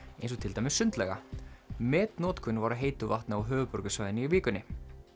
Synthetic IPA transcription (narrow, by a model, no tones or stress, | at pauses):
ejns̬ɔt̪ʰɪlt̪ajmɪsːʏnt̪lɛɣa̰mɛːt̪nɔːt̪kʰʏnvaɾaðɦeːjt̪ʏvaht̪naawɦœːvʏpɔɾkʏsvajðɪniiviːkʏnːɪ